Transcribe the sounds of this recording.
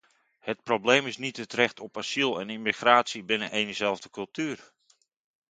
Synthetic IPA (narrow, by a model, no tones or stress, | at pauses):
hət̚probleːmɪsnitətrɛxtʰɔpasilˠɛnimixraːtsibɪnəʔejnəzɛlˠvdəkɵlˠtyːər